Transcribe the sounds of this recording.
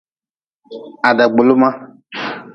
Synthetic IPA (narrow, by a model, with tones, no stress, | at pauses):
a˨ɖɛ˨ɡ͡bo˨lo˦mã˦